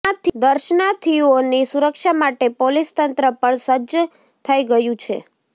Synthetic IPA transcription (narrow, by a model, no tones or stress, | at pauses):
at̪ʰd̪əɾʃnat̪ʰionisuɾəkʃamaʈepolist̪ənt̪ɾəpəɳsəd͡ʒ | t̪ʰəiɡəjũt͡ʃʰḛ